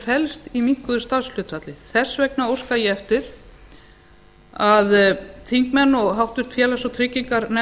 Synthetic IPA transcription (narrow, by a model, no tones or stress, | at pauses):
fɛlst̪imiŋ̥kʏðʏ̥st̪aɾsl̥ʏːt̪rat̪lɪθɛ̥svɛk̚naowr̥skajɛɛft̪ɪɾ̥ | aðt̪ʰiŋkmɛnːɔɣɦawht̪vʏ̥t̪fjɛːlasɔt̪ʰɾɪciŋkaɾnɛ